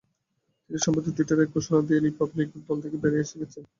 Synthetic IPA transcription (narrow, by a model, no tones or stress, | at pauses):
t̪iniʃɔmpot̪ːit̪iʈaɾeɾkoʃonad̪ieɾipablikuʈbɔlt̪ʰekebeɾeeʃeɡet͡ɕʰen